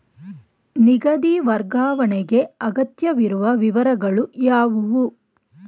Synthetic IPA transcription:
niɡɐd̪iʋɐɾɡaːʋɐɳeɡe̞ɐɡɐt̪jɐʋiɾuʋɐʋiʋɐɾɐɡɐɭujaːʋuʋu

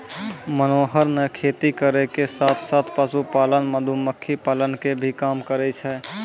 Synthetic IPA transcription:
mənoːɦəɾnɛkʰet̪ikəɾɛkesaːt̪ʰsat̪ʰpasupaːlənməd̪ʱuməkʰːipaːlənkebʱikaːmkəɾɛt͡ʃʰɛ

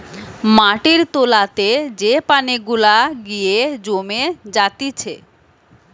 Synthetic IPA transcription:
maʈiɾt̪olat̪ed͡ʑepaneɡulaɡijed͡ʑomed͡ʑat̪it͡ɕʰe

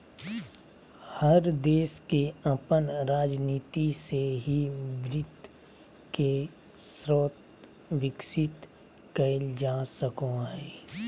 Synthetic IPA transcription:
həɾd̪eːskeɐpənɾaːd͡ʒniːt̪iseɦibɾɪt̪ | ke | sɾoːt̪ | ʋɪkʃɪt̪ | kəɪld͡ʒaːsəkõɦɛː

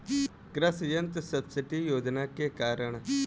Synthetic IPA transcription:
kɾəsjənt̪səbsɪʈijoːd͡ʒnakekaːɾəɳ̃

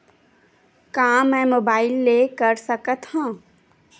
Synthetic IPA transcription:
kaːmɛ̃ːmoːbaːɪlːeːkəɾsəkət̪hãː

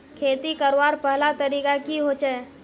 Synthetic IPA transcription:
kʰeːt̪ikəɾʋaːɾpəɦlat̪əɾiːkakiɦoːt͡ʃa

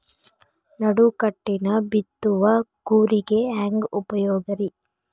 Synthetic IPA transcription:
nɐɽukɐʈːinɐbit̪ːuʋɐɡuːɾiɡe̞ɦaːŋɡupɐjɔːɡɐɾi

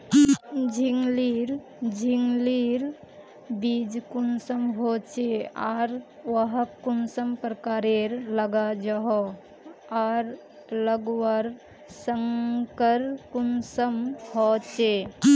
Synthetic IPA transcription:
d͡ʒʱiŋliɾ | d͡ʒʱiŋliɾ | bid͡ʒkunsəmɦot͡ʃeaɾʋəɦəkunsəmpɾəkaːɾeɾləɡad͡ʒəɦo | aɾ | ləɡwaɾ | səŋkəɾkunsəmhot͡ʃe

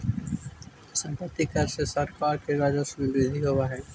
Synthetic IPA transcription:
sə̃mpət̪ːikɐɾsesɐɾkaːɾkeɾaːd͡ʒosbɪbeːd̪ʱiɦoːʋaɦɛː

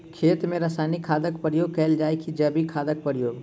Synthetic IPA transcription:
kʰeːt̪mẽɾəsaːnikʰaːd̪əkpəɾjoːɡ̚kɛːld͡ʒaːekʰid͡ʒəbikʰaːd̪ək̚pəɾjoːɡ

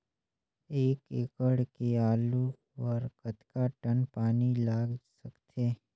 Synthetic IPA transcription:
eːkekəɽkeaːlu | ʋəɾkət̪kaʈənpaːnilaːɡsɐkt̪ʰeː

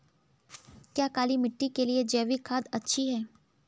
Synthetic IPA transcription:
kjaːkaːlimɪʈːikelied͡ʒɛːʋikʰaːd̪ɐtːʃʰiɦɛː

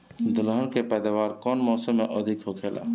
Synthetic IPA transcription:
d̪ʊlɦəɳkepɛːd̪aːʋaːɾkɔːnmɔːsəmːẽʔəd̪ʱikɦokʰeːla̰ː

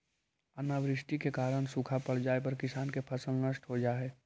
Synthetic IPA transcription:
ənaʋɾɪʃʈikekaːɾəɽ̃sukʰapəɽ̤d͡ʒaːepəɾkɪsaːnkepʰəsəlnəʃʈɦod͡ʒaːɦɛː

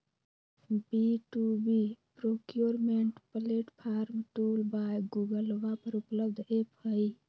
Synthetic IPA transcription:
biʈubipɾokjuɾmeɳʈpəleʈpʰaːɾmʈulbajɡuɡəlʋapəɾupləb̚d̪ʱephəj

